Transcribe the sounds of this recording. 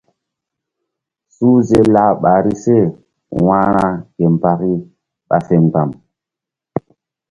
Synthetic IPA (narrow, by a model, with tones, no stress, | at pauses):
suː˦ze˦la˨ɓa˨ɾi˦se˦˨ | wã˦ɾã˦ke˨m˨pa˨ki˦ | ɓa̰˨fe˨ŋ˨ka˨m